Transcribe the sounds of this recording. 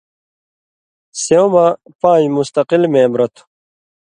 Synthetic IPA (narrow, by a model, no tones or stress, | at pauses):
sewma | pãːjmust̪ɐqilmẽːbɾɐt̪ʰu̥